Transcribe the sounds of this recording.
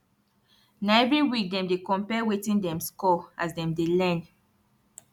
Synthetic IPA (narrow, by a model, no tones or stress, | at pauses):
naɛvɹiwik̚dɛ̃mdekɔ̃mpɛwetĩndɛ̃mskɔasdɛ̃mdelɛ̃n